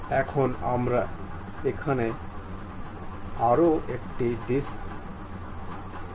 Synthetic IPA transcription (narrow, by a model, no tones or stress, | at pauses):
ɛkʰonamɾa | ekʰane | aɾoekʈiɖis